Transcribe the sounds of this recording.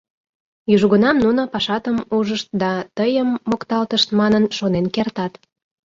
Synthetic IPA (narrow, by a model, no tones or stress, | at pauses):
jyʒɣənɑmnunopɑʃɑt̪əmuʒəʃt̪̚d̪ɑt̪əjəmːokt̪ɑlt̪əʃt̪mɑnənʃonenkert̪ɑt̪